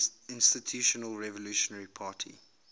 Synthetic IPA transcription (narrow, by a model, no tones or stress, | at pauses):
ɪ̃nstitʰjuːʃənəlɹɛvɔluːʃɔnəɹipʰaːtʰḭ